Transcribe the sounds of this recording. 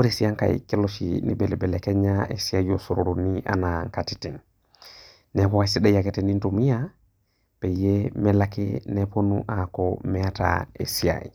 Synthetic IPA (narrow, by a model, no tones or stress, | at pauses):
woɾisiaŋka̰j̰keloʃḭnḭbelebelekeɲaʔesiajosuɾoɾuniʔa̰naŋkatitin | nekowaisidejaketenintomija | pejemelakeneponuʔakomeata̰ḛsia̰j